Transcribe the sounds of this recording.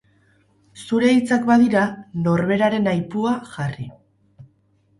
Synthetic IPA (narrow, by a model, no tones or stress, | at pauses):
suɾe̞it͡sakbaðiɾano̞ɾβe̞ɾaɾe̞najpuaxari